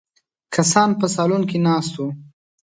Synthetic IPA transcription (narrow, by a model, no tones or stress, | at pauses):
kʰasɑnpəsɑlunkinɑst̪u